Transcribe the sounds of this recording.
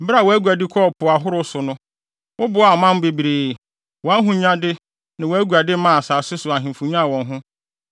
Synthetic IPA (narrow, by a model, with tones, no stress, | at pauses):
m̩˨bɪ˦ɾa˦˨wɔ˨æ˦ɡu˨æ˨dɪ˦kʰɔ˦˨pʰʊ˨a˨ɦʊ˦ɾʊ˦sʊ˨nʊ̃˦ | wʊ˦bʊ˨˦a˨mã˦m˦be˨bi˨ɾeː˨ | wɔ̃˨a˦ɦʊ̃˦ɲã˦dɪ˦ | nã˨wɔ˨æ˦ɡu˨a˨dɪ˦mã˦˨a˨saː˨sɪ˦sʊ˨a˨ɦɪ̃˨m˨fũ˨ɲ˦ã˦˨wɔ̃˨nɦʊ̃˦